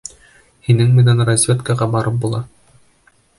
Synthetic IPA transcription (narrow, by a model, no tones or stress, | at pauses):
hinɘŋmɘ̆nænrɐzʲvʲet̪kɑʁɑbɑɾʔɤp̚bulˠɑ